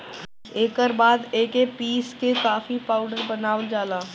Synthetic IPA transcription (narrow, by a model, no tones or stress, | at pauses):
eːkəɾbaːd̪eːkepiːskekaːfipaːʊɖəɾbɐnaːʋəld͡ʒaːlaː